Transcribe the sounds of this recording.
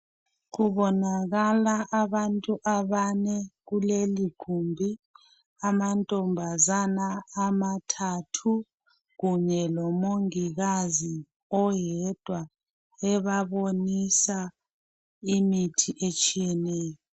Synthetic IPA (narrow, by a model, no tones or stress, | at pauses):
k̬uɓɔnak̬alaʔaɓantʼuʔaɓanɛk̬uleliɡ̥ʱumbʱi | amantʼɔmbʱazanaːmatʰatʰu | ɣkuɲɛlɔmoŋiɣ̬azi | ɔjɛd̥ʱwa | ɛɓaɓonisa | imitʰiʔet͡ʃʼijɛnɛːjɔ